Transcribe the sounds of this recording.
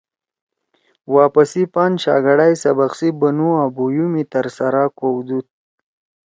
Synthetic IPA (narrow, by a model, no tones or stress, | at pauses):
wɑːpasipɑnʃɑ̰ɡaɽajsabaxsibanuabujumit̪əɾsaɾakowd̪ut̪̚